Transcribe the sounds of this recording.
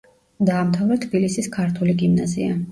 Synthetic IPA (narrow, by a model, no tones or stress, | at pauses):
d̪aːmt̪ʰavɾat̪ʰbilisiskʰaɾt̪ʰuliɡimnazḭa